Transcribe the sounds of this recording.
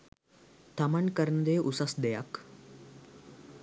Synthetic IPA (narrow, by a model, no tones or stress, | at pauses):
t̪amankəɾənəd̪eːʔusasd̪ɛjak